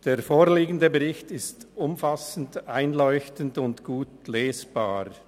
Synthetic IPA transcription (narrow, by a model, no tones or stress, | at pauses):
d̥eːɾfoːɾliːɡən̩dəbəʁɪçtɪstʊmfasn̩daɪnlɔʏçtən̩dʊntɡ̥uːtleːsb̥aːɾ